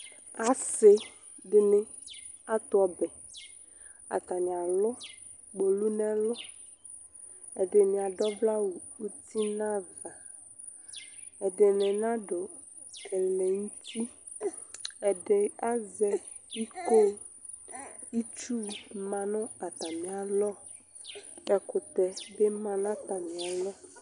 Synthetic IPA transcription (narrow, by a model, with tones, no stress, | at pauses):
a˨se˨ | ɖe˨nẽ˨ | a˦t̪ɔ˨bɛ˨ | a̰˨t̪a˨nĩ˨a˨lɔ˦ | ɡ͡bo˨lu˦nɛ̃˦lɔ˦ | e˨ɖe˨nĩ˨a˨ɖɔ˦bla˦wu˨wu˦t̪i˦nã˦va˨ | e˨ɖe˨nẽ˨nã˦ɖo˨ | kʰɛ˨lẽ˨ŋu˦t̪ʰi˦ | ɛ˨ɖe˨a˦zɛ˦ | i˦ko˦ | i˦t͡ʃu˦˨mã˨nɔ̃˦a˨t̪a˨mĩ˨a˨lɔ˦ | ɛ˨ko˨t̪ɛ˨be˦mã˨nã˦t̪a˨mĩ˨a˨lɔ˦